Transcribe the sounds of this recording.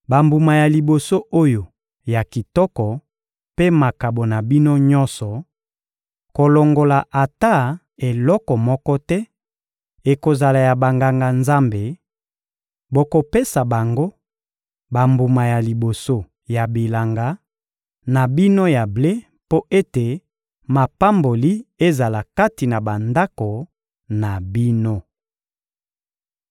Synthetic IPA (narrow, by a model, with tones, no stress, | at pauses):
ba˨mbu˨ma˨ja˨li˨bo˨so˦ʔo˦jo˨ | ja˨ki˨tɔ˦kɔ˨ | pe˦ma˨ka˨bo˨na˨bi˦no˦ɲɔ˦nsɔ˨ | ko˨lɔ˨ŋɡo˨la˨ʔa˨ta˦ | e˨lɔ˦kɔ˨mɔ˦kɔ˦tɛ˦ | e˨ko˨za˨la˨ja˨ba˨ŋɡa˨ŋɡa˨nza˦mbe˨ | bo˨ko˨pe˦sa˨ba˨ŋɡo˦ | ba˨mbu˨ma˨ja˨li˨bo˨so˦ | ja˨bi˨la˨ŋɡa˨ | na˨bi˦no˦ja˨ble˦ | po˦ʔe˦te˨ | ma˨pa˦mbo˨li˦e˦za˨la˨ka˦ti˨na˨ba˨nda˦ko˨ | na˨bi˦no˦